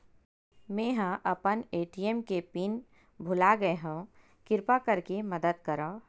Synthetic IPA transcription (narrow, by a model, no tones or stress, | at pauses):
mẽːɦãʔɐpəneːʈiemkepiːn | bʱʊlaɡɐeɦũ | kɪɾpakɐɾkemɐd̪əd̪̚kɐɾõː